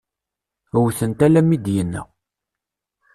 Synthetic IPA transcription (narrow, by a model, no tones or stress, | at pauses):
wθənt̪ælæmid̪jənːə̰